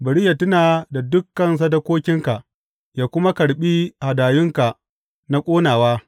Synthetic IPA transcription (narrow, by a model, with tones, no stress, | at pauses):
bɐ˨ɽɪ˦ja˨tʊ˦naː˨da˨dʊ˦kːɐ˦ns̬ɐ˦dɐ˦kʷoː˦kʲɪ˦ŋka˨ʔ | jaː˨kʷʊ˦ma˦kɐ˨ɽɓiː˦ha˨daː˨jʊ˦ŋka˨ʔ | na˦kʷʼoː˦naː˨waː˦